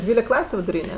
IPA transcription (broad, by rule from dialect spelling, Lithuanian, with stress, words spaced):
ˈdʲʋʲiːlʲɪk ˈklˠɑːsʲʊ ʋʲɪdʊˈrʲiːnʲɛ